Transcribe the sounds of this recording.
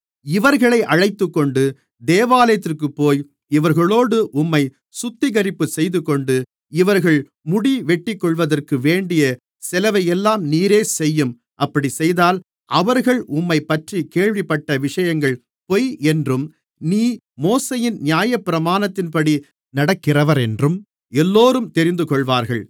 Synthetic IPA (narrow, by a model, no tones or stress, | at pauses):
ɪʋɐɾɣɐɭɐɪʔɐɻɐɪt̪ːɯkːɔɳɖɯ | d̪eːʋaːlɐjɐt̪̬ːɪrkɯpːoːj | ɪʋɐɾɣɐɭoːɽɯʔʊmːɐɪ | sʊt̪ːɪɣɐɾɪpːɯsɛjðɯkɔɳɖɯ | ɪʋɐɾɣɐɭ | mʊɽiʋɛʈːɪkːɔɭʋɐðɐrkɯʋeːɳɖɪjɐ | sɛlɐʋɐjɛlːaːmniːɾeːsɛjːɯm | ʔɐpːɐɽisɛjðaːl | ʔɐʋɐɾɣɐɭʔʊmːɐɪpːɐʈrikeːɭʋɪpːɐʈːɐʋɪʂɐjɐŋɡɐɭ | pɔjɛndrɯm | niː | moːsɐjɪnnjaːjɐpːɪɾɐmaːnɐt̪ːɪnpɐɽi | nɐɽɐkːɪrɐʋɐɾɛndrɯm | ɛlːoːɾɯmt̪ɛɾɪnd̪ɯkɔɭʋaːɾɣɐɭ